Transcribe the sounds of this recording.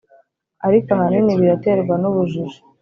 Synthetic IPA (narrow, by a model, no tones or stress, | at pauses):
aɾikoahaniniβiɾate̞ɾɡwanuβuʒuʒu̥